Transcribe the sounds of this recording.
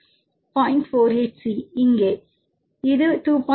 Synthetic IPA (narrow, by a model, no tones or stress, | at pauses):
pɔ̃ɪ̃ɳʈfoːɾeːʈsiɪŋɡeː | ɪðɯʈuːpɔ̃